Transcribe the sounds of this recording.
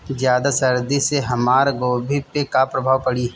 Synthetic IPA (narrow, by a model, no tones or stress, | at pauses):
zjaːd̪asɐɾd̪iseɦɐmaːɾɡoːbʱipekapɾɐbʱaːwpəɽi